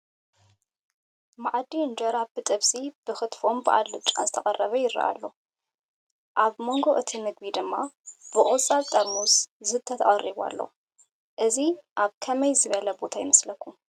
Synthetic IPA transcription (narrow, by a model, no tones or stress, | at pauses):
maʕd̪iɨnd͡ʒɐɾabɨt̪ʼɨβsʼib̥ɨxɨt̪fo̞mbɨʔa̰lːɨt͡ʃʼːa̰zɨt̪ʰɐχʼɐrːɐβɐjɪɾːɐ̰ʔa̰lːo̞̰ | ʔaβmo̞ŋɡo̞ʔɨt̪ʰimɨɡβid̪ɨmːab̥ɨʔʼʊt͡sʼːaβt̪ʼɐɾmuszɨt̪ʰɐt̪ʰɐχʼɐrːiβa̰lːo̞̰ | ʔɨziʔaβkʰɐmɐjzɨβɐlɐbo̞t̪ʰajɪmɐslɐkʰːum